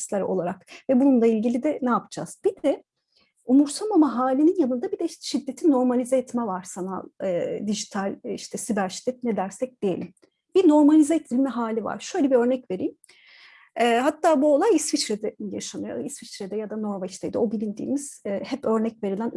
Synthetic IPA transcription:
slʲˠaɾʔo̞̰lˠaɾakvɛbununlˠailʲɟilʲid̪ɛnɛapʰɯ̥d͡ʒa̰z̥bid̪̥ɛ | umuɾsʰamamaɦaːlʲininjanɯnd̪abid̪ɛʃid̪ːet̪ʰino̞ɾmalʲizɛɛt̪mɛvaɾ̥sana̰d̪iʒit̪ʰalʲiʃt̪ʰɛsibæɾʃi̥d̪ːɛt̪̚nɛd̪æɾsɛc̚d̪̥ije̞lʲim | b̥ino̞ɾmalʲizɛɛt̪ʰːilʲmɛɦaːlʲiva̰ɾ̥ʃøjlʲebiø̞ɾnɛcve̞ɾijm | ɛːɦat̪ʰːaːbuo̞lˠajisfit͡ʃɾɛd̪ɛjaʃamɯjo̰isfit͡ʃɾɛd̪ɛjad̪ano̞ɾvat͡ʃt̪ʰḛjd̪ɛo̞bilʲind̪ḭːmiz̥hɛpø̞ɾnɛcve̞ɾilʲæn

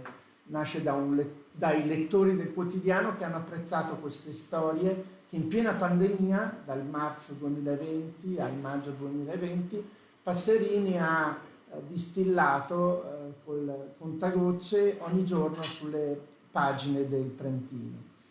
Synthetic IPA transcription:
naʃːed̪aunled̪ajlet̪ːoːɾid̪elkwot̪id̪jaːnok̟eanːoapːɾet̪sːaːt̪okwest̪est̪ɔːɾjek̟eimpjɛːnapand̪emiːad̪almart̪sod̪uemiːlaevɛnt̪ialmad͡ʒːod̪uemiːlaevɛnt̪i | pasːeɾiːnia | d̪ːist̪ilːaːt̪okolkont̪aɡot͡ʃːeʔɔɲːid͡ʒornosulːe | paːd͡ʒined̪elt̪ɾent̪ḭːno̰

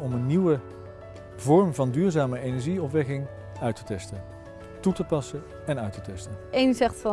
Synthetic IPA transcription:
ɔmənːiwə | vɔɹmvɑndyːɹzaːməejnɛɹʒiɔpʋɛkɪŋ | œɥtə̥tɛstən | tutəpɑsən | ɛnœɥtətɛstənejnzɛχtfɑ

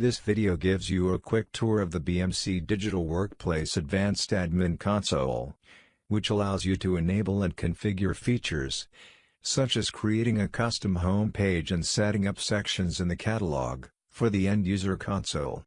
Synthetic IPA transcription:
ðɪsv̥ɪɾioʊɡɪvzjɨəkʰw̥ɪk̚tʰʊɹʌvðɨbiɛ̃msidɪd͡ʒɨɾl̩ˠwɜ˞k̚pʰl̥eɪsɨdvæ̃nstɨd̚mɪ̃nkʰɑ̃nsoʊlˠ | wɨt͡ʃəlaʊzjɨɾɨɨneɪbl̩ˠə̃nkʰɨ̃ɱfɪɡjə˞fit͡ʃə̰˞z̥ | sʌt͡ʃɨz̥kʰɹ̥ieɪɾɪ̃ŋɨkʰʌstɨ̃mɦõʊ̃mpʰeɪd͡ʒɨ̃nsɛɾɪ̃ŋʌpsɛkʃɨ̃nzɨ̃nðɨkʰæɾəlɔ̰ɡ | fə˞ðiɛ̃ndjʉzə˞kʰɑ̃nso̰ʊlˠ

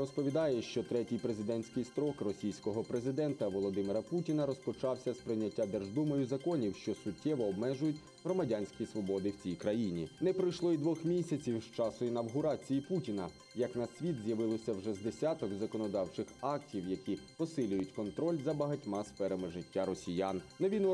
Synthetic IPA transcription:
ɾɔspɔʋʲid̪ɑjɛʃt͡ʃɔt̪ɾɛtʲijpɾezɪd̪ɛnʲsʲkɪjst̪ɾɔkrɔsʲijsʲkɔɦɔpɾezɪd̪ɛnt̪ɐʋɔlˠɔd̪ɪmɪɾɐputʲinɐɾɔspɔt͡ʃɑwsʲɐspɾɪjnʲɐtʲːad̪ɛrʒd̪umɔjʊzɐkɔnʲiwʃt͡ʃɔsʊtʲʰːɛʋɔːbmɛʒʊjʊtʲ | ɦɾɔmɐdʲanʲsʲkʲisʋɔbɔd̪ɪwt͡sʲijkɾɐjinʲinɛpɾɪjʃlˠɔid̪ʋɔxmʲisʲɐt͡sʲiwʃt͡ʃɑsʊinɐwɦʊɾɑt͡sʲijiputʲinɐ | jɐknɐsʲʋʲid̪zʲjɐʋɪlˠɔsʲɐwʒɛzd̪esʲat̪ɔkzɐkɔnɔd̪ɑwt͡ʃɪxɑktʲiwjɐkʲipɔsɪlʲʊjʊtʲkɔnt̪ɾɔlʲzɐbɐɦɐtʲmɑsfɛɾemɪʒɪtʲːaɾɔsʲijannɐʋʲin

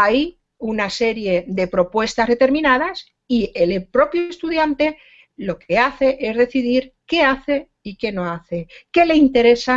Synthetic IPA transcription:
aj | unase̞ɾje̞ðe̞pɾo̞pwe̞st̪azðe̞t̪e̞ɾmĩnað̞as | ie̞lepɾo̞pjoest̪uðjant̪e̞ | lo̞ke̞aθe̞ʔe̞zðe̞θiðiɾke̞aθe̞ | ike̞no̞aθe̞ke̞le̞int̪e̞ɾe̞sa

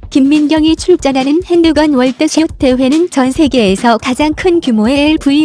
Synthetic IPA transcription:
kimːinɡjʌŋit͡ɕʰuɭk̚t͡ɕ͈ʌnɦanɯnhendɯɡʌnwʌɭt͈ɯɕʰiotʰːe̞we̞nɯnt͡ɕʌnsʰe̞ɡe̞ːsʰʌkad͡ʑaŋkʰɯnkjumoe̞ɭpui

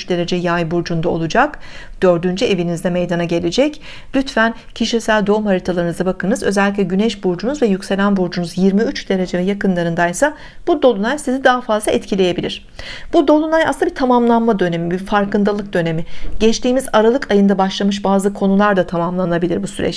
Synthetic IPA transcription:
t͡ʃd̪e̞ɾe̞d͡ʒɛjajbuɾd͡ʒund̪ao̞̰lˠud͡ʒakd̪̥ø̞ɾd̪ynd͡ʒye̞vinizd̪ɛme̞jd̪anaɟe̞lʲe̞d͡ʒɛc | lʲyt̪fæn | cʰiʃisælʲd̪o̞mhaɾit̪ʰalˠaɾɯnɯzabakɯnɯzøzɛlʲːic̬lʲɛɟynɛʃbuɾd͡ʒunuzvɛjycʲse̞lʲænbuɾd͡ʒunuzjiɾmiyt͡ʃd̪̥e̞ɾe̞d͡ʒɛvɛjakɯnlˠaɾɯnd̪ajsa | b̥ud̪o̞lˠunajsizid̪aɦafazlˠaɛt̪cʰilʲe̞je̞bilʲiɾ̝̥ | b̥ud̪o̞lˠunajasabit̪ʰamamlˠanmad̪ø̞ne̞mibifaɾkɯnd̪alˠɯk̚d̪ø̞ne̞mɪɟ̥ɛt͡ʃt̪iːmizaɾalˠɯkʰajɯnd̪abaʃlˠamɯʃ̬baːzɯkʰo̞nulˠaɾd̪at̪ʰamamlˠanabilʲiɾbusyɾɛ̰t͡ʃ

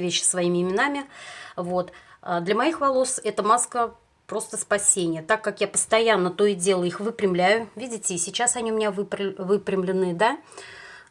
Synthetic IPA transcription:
vʲeɕːɪ̥svɐimʲɪɪmʲɪnamʲɪvot̪əd̪lʲəmɐixvɐlˠo̞sɛt̪əmaskə | pɾo̞st̪əspɐsʲenʲɪjət̪akːakjapə̥st̪ɐjanːət̪o̞ɪdʲelˠəixvɨpɾʲɪmlʲæjʊvʲidʲɪtʲɪːsʲɪt͡ɕːasɐnʲiʊmʲɪnʲavɨpɾvɨpɾʲɪmlʲɪnɨd̪a

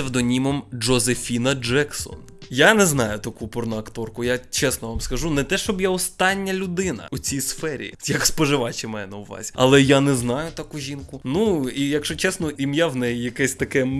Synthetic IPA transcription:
ewd̪ɔnʲimɔmd͡ʒɔzefʲinɐd͡ʒɛksɔ̰n | janɛznɑjʊt̪ɐkupɔrnɔɐkt̪ɔrkʊjat͡ʃɛsnɔʋamskɐʒunɛt̪ɛʃt͡ʃɔbjaɔst̪ɑnʲːɐlʲʊd̪ɪnɐ̰ʊt͡sʲijsfɛɾʲḭjɐkspɔʒɪʋɑt͡ʃʲɪmɛjnɛuʋɑ̰zʲiɐ̰lˠɛjanɛznɑjʊt̪ɐkuʒʲinkʊnuijɐkʃt͡ʃɔt͡ʃɛsnɔʔimjawnɛjijɐkɛsʲt̪ɐkɛ

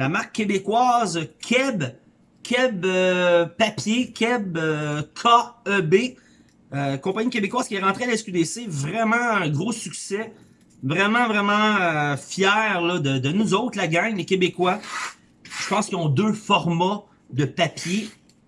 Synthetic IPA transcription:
lamaχkːebekwaːzkʲʰɛb | kʲʰɛbøpapjekʲʰɛbøkʰaœbe | økɔ̃paɲikʲebekwaːz̥kʲɛʁɑ̃t̪ʁealɛskʲyd̪esevʁɛmɑ̃ɛ̃ɡʁosyksɛ | vʁɛmɑ̃vʁɛmɑ̃øfjɛːʁlʌd̪əd̪ənuzɔʊt̪laɡãŋlekʲebekwa | ʒ̥ə̥pɑ̃skʲiɔ̃d̪øfɔʁma | d̪əpapje

